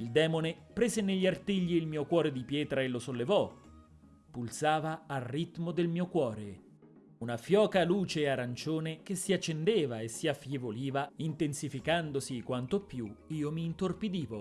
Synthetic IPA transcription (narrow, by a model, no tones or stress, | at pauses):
ild̪ɛːmonepɾeːzeneʎːart̪iʎːiːlmiːokwɔːɾed̪ipjɛːt̪ɾaelːosolːevɔ | pulsaːvaːrːit̪mod̪elmiːokwɔːɾe | unafjɔːkaluːt͡ʃeːaɾant͡ʃoːnek̟esːiat͡ʃːend̪eːvaesiafːjevoliːvaint̪ensifikand̪osikwant̪opjuiːomiːnt̪orpid̪iːvo